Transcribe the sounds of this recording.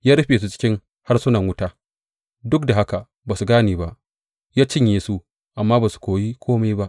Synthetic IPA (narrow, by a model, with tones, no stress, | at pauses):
jaː˦ɾɐ˦ɸeː˨s̬u˦t͡ʃɪ̥˦kʲɪ˦ŋ | ha˦rsʊ˦nɐ˨ŋwʊ˦taː˦ | dʊ˦k̚da˨ɦa˦ka˨ | baː˨su˨ɡaː˦niː˨ba˦ʔ | jaː˦t͡ʃɪ˦ɲjeː˨su˦ | ʔa˨mːaː˦baː˨su̥˨kʷoː˨jiː˦kʷʰoː˦ma˦jba˦ʔ